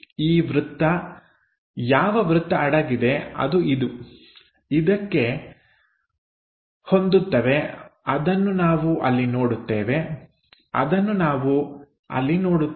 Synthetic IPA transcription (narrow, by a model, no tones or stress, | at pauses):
iːʋɾut̪ːɐ | jaːʋɐʋɾut̪ːɐɐɽɐɡid̪e̞ɐ̰d̪uid̪u | id̪ɐkːe̞ | ho̞nd̪ut̪ːɐʋe̞ɐd̪ɐnːunaːʋuʔɐlːino̞ːɽut̪ːeːʋe̞ | ɐ̰d̪ɐnːunaːʋu | ɐ̰lːino̞ːɽu